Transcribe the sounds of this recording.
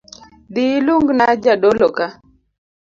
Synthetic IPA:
dɪluŋɡnad͡ʒadoloka

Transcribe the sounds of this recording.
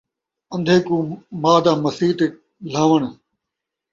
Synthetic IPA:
ə̃nd̪ʱeːkũːmaːd̪ãːməsiːt̪e | l̤ãːʋəɳ̃

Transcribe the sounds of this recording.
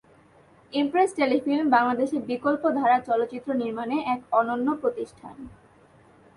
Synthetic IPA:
impɾesʈelifilmbaŋlad̪eʃeɾbikolpod̪ʱaɾaɾt͡ɕɔlot̪ːɕit̪ːɾoniɾmaneʔɛkɔnonːopɾot̪iʃʈʰa̰n

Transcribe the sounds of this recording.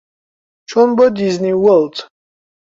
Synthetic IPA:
t͡ʃʰɔnbɔd̪izniwɔlt̪

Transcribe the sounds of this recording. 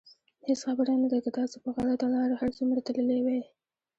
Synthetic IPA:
hesxabəɾɑnad̪akat̪ɑsopəɣaɽat̪alɑɾohaɾsumɾat̪ələlewe

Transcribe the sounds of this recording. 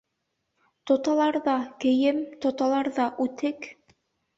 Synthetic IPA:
t̪ŏt̪ɑlˠɑɾðɑkɘ̆jɘmt̪ŏt̪ɑlˠɑɾðɑʔʉt̪ɘk

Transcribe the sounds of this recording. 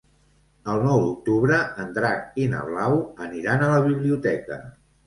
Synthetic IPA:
əlˠnɔwd̪uk̚t̪uβɾəənd̪ɾak̚inə̰βlawəniɾanələβ̞iβliut̪ɛkə̰

